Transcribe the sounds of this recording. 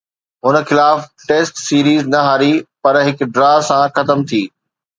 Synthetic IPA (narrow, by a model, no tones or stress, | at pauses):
ɦʊnə̆xɪlaːfʈeːsʈsiːɾiːznɐɦaːɾipɐɾɦɪkɖɾaːsãxɐt̪əmt̪ʰiː